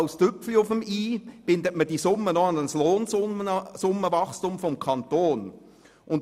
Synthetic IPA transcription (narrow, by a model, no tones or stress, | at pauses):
ʊstʏpfliʊfəmiːb̥ɪndətməd̥isʊmːənɔnənsloːnzʊəsʊmːəvɑχstumfɔmkʰɑntoːn | ʊn